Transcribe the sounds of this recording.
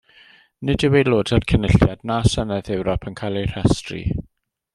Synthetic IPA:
nɨdɪwejloːdʰərkʰənɪɬjadnasənɛðɛwɾɔpʰənkʰajlˠejr̥ɛstrḭ

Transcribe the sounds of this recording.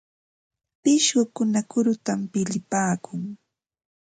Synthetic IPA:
pɪʃɢʊkʊnakʊɾʊt̪ampɪʎɪpaːkʊŋ

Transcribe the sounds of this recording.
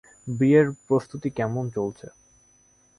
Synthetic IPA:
bieɾpɾost̪ut̪ikɛmont͡ɕolt͡ɕʰe

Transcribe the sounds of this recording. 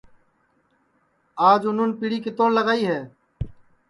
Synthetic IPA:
aːd͡ʒʊnʊnpiːɽiːkɪt̪õːnləɡaːiːɦɛː

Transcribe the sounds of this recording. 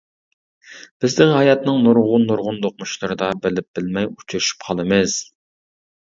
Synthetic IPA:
b̥ɪzd̪ɪŋɦɑjɑt̪nɨŋnuɾʁʊnːuɾʁʊnd̪oq̚muʃlˠɨɾɨd̪ɑbɪlɪp̚b̥ɪlmɛju̥t͡ʃʰyɾɪʃy̥pqʰɑlˠɨmɨz̥

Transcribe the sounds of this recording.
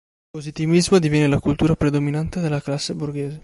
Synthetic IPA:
pozit̪ivizmod̪ivjɛːnːelakult̪uːɾapɾed̪ominant̪ed̪elːaklasːeburɡeːze

